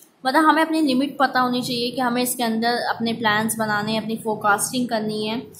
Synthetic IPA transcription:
mɐt̪ləbɦɐmẽɐpnilɪmɪʈ̚pɐt̪aɦoːnit͡ʃaːɦiekeɦɐmẽɪskeɐ̃nd̪əɾɐpneplɛ̃ːnsbɐnaːneɐpnifoːkaːsʈɪ̃ŋɡ̚kɐɾniɦɛ̃ː

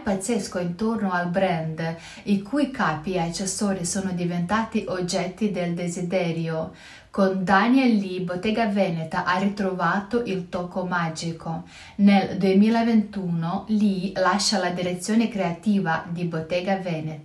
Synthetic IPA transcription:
pat̪sːeskoint̪ornoalbɾɛnd̪ | ikʰujkaːpiat͡ʃːesːoːɾisoːnod̪ivent̪aːt̪iʔod͡ʒːɛt̪ːid̪eld̪ezid̪ɛːɾjo | kond̪aniɛlːibot̪ːɛːɡavɛːnet̪aʔarːit̪ɾovaːt̪oʔilt̪ɔːkomad͡ʒikʰo | neld̪uemiːlavent̪uːnolilaʃːalad̪iɾet̪sːjoːnekɾeat̪iːvad̪ibot̪ːɛːɡavɛːnet̪

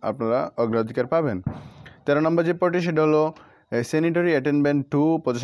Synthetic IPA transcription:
a̰pnaɾaɔɡɾaod̪ʱikaɾpabent̪ɛɾanɔmbɔɾd͡ʑepɔʈiʃ̬eʈaɦolo | seniʈɔɾiaʈenbeɳʈːupɔd͡ʑeʃ

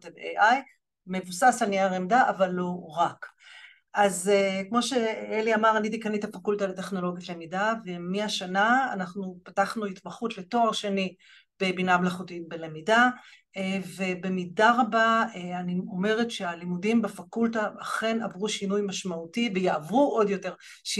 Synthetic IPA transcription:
tedeʔaj | me̞vusasaniaʁemdaʔavalːo̞ʁak | azekmo̞ʃe̞eliamaʁanit̪ikanit̪afakultaleteχno̞lo̞ɡjatle̞midavemiaʃanaːnaχnupataχnuhitmaχutle̞to̞aʁʃeni | b̥e̞binamlaχutit̚belemida | ve̞be̞midaʁabaeanio̞me̞ʁetʃealimudimbafakultaaχe̞navʁuʃinujmaʃmautivejaavuʔo̞djo̞te̞ʁ | ʃ

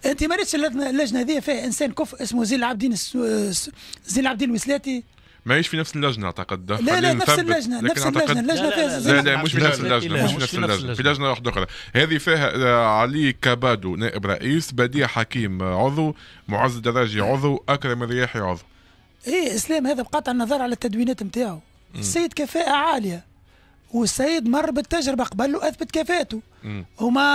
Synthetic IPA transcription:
ʔɪnt̪imæɾiːt̪ʃəlːæʒnalːæʒnæhæðɪjːæfiːhæʔɪnsɛːnkʊfʔɪsmuziːnəlʕab̚d̪iːns | ziːnəlʕabd̪iːnwɪslæːt̪i | mæʕiːʃfinæfsəlːæʒnaʔa̰ʕt̪ɑqəd̪xlalːnæfslːæʒnalæsnlːæʒnalːæʒnfihæzælæmuːʃinæslːæʒnamuʃʃfinæfsllːæʒnafilæʒnawaħd̪ʔʊxɾˤɑhɛːðifiːɦæʕaliːkɑbɑːd̪unɛːʔəbɾˤɑ̰ʔiːsbæd̪iːħakiːmʕʊðˤumʊʕazɪd̪ɑɾˤːɑːʒiʕʊðˤuʔakθɑɾmɪnɾɪjaːħiʕʊ̰ðˤu | iːʔɪslɛːmhæːðæbqɑːt̪ˤʕənːɑðˤɑːɾˤʕalæt̪ːæd̪wiːnɛːt̪mt̪aːʕu | ɪsːajːəd̪kæfɛːʔaʕaːljæ | wɪsːajɪd̪mɑrˤːbɪt̪ːæʒɾɪbaqbælːuwʔæθbɪt̪kæfɛːʔt̪u | hʊmæ

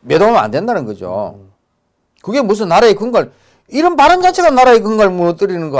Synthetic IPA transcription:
me̞domɯna̰ndendanɯnɡʌd͡ʑo̰ | kɯɡe̞mus̬ʰɯnːaɾaekɯŋɡaɭ | iɾɯnpaɾɯnd͡ʑant͡ɕʰeɡanaɾaek̬ɯŋɡaɭmuʌt͈ɯɾinɯnɡʌ

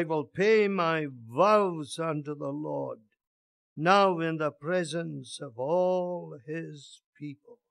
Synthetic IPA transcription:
ɪwɪlˠpʰeɪmaɪvaʊzʌ̃ntuðəlɔɹd̚ | naʊɪ̃nðəpʰɹ̥ɛzɨ̃nsʌvɔlˠɪz̥pʰipəl̩ˠ

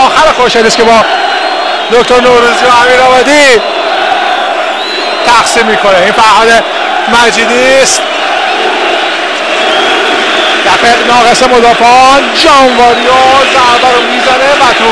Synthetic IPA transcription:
ɒːxæɾexoɾʃɛliskʲe̞bɒː | d̪oct̪ʰoɾnoɾuzijohæmiːɾɒːvæd̪i | t̪ʰæxsimːiːkʰo̞neinfæɾhɒːd̪e | mæd͡ʒiːd̪ist̪ | d̪æfenɒːɣe̞semod̪ɒːfeɒn | d͡ʒɒːɱvɒːɾijɔzæɾbæɾomiːzænevæt̪ʰu

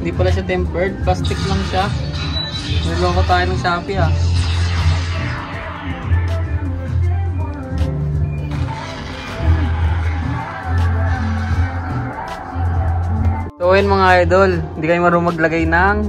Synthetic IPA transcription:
ɪnd̪iːpɐlaʃ̬at̪ɛmpɛɹd̪̚past̪ɪk̚mɐŋʃa | lulookot̪aːjonɐŋʃaːpɪha | t̪oʔjɐnmɐŋaʔajd̪olhɪnd̪iːkɐjʊmɐɾomɐɡlɐɡajnɐŋ

